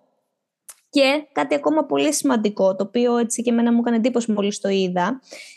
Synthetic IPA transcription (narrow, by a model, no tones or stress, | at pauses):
ce̞kɐt̪iɐko̞mɐpo̞lisimɐnd̪iko̞t̪o̞ːpio̞e̞t͡sice̞me̞nɐmukɐnend̪ipo̞simo̞list̪o̞iðɐ